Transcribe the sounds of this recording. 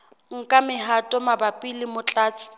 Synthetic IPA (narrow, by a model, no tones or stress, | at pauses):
ŋ̩kʼamɪɦatʼɔmabapʼilɪmʊt͡ɬʼaːt͡sʼɪ̥